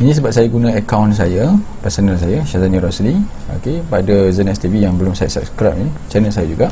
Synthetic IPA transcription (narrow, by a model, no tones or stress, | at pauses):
inĩs̬əbap̚sajaɡunãəkawns̬ajapɛsonəls̬ajaʃazaniɾɔslio̰kepadazənɛst̪ivijaŋbəlʊmsat̚sə̰pskɾapinit͡ʃɛnəlsajad͡ʒuɡaʔ